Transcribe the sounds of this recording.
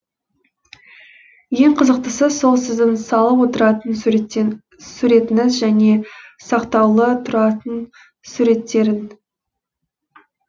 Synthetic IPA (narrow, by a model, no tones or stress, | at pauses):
je̞ŋqʰəzəq̚t̪əsəso̞lˠsɪzd̪ɪnsɑlˠəpwo̞t̪əɾɑt̪ən | suɾe̞t̪ɪnɪzʒæne̞sɑqt̪ɑwlˠət̪ʰʊɾɑt̪ən | suɾe̞t̪ːe̞ɾɪn